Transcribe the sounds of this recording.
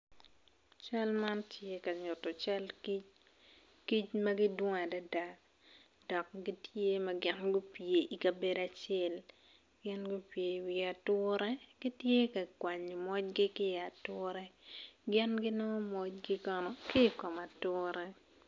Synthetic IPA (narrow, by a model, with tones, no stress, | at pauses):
t͡ʃa˦lma˦ntʰje˦ka˨ɲʊ˨tɔ˨t͡ʃa˦lki˦t͡ʃ | ki˦t͡ʃmɐ˦ɡɪ˦dwɔ˦ŋa˨da˦da˨k | d̥ɔ˨k̚ɡɪ˦tje˦mɐ˦ɡɪ˦nɡʊ˦pje˨ʔi˨ka˨be˨da˨t͡ʃɛ˦l | ɡɪ˦nɡʊ˦pje˨wi˨a˨tʊ˦ɾɛ˦ɡ̥ɪ˦tje˦ka˨kwa˨ɲ˨mɔ˦t͡ʃ̚ɡɪ˦kɪ˦˨a˨tʊ˦ɾɛ˦ɡɪ˦nɡɪ˦nɔ˦mɔ˦t͡ʃɡɪ˦kɔ˦nɔ˨kɪ˦kɔ˨ma˨tʊ˦ɾɛ˦